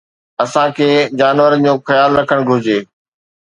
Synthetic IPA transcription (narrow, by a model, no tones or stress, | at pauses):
ɐsãkʰeːd͡ʑaːnʋəɾəd͡ʑoːxɐjaːlɾɐkʰəɽ̃ɡʱʊɾɪd͡ʑeː